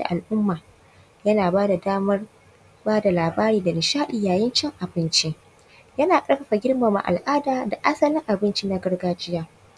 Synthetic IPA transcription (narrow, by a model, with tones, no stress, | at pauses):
da̰˨ʔa˨lʔʊ˦mːaː˨ | jɐ˦naː˨baː˦da˨daː˦mɐ˦r | baː˦da˨laː˨baː˦ɾiː˨da˨nɪ˨ʃaː˦ɗɪ˨jaː˨jɪ˦nt͡ʃɛ˦ŋʔa˨bɪ˦nt͡ʃe˦ | jɐ˦naː˨kʼɐ˦ɽɸɐ˨ɸa˨ɡʲɪ˦rma˨ma̰˨ʔa̰˨lʔaː˦daː˨da˨ʔa˦sɐ˦lɪ˦ŋʔa˨bɪ˦nt͡ʃi˦na˦ɡɐ˦rɡaː˦d͡ʒɪ˦jaː˦